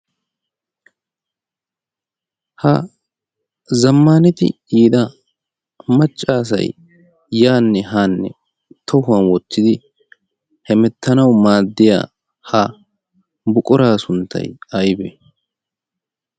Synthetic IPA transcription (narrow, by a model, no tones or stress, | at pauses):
hɐ | zɐmːaːnɪt̪ɪ̰ | iːd̪ɐ | mɐt͡ʃʼːaːs̬ɐ̰j | jaːnːɛɦaːnːɛ̰ | t̪ʰɔhʊɐnwɔt̪ːɪd̪ɪ | hɛmɛt̪ʰːɐnɐwmaːd̪ːɪja̰ː | ha | bʊkʼʊɾaːsʊnt̪ʰːɐ̰jɐjbɛ̰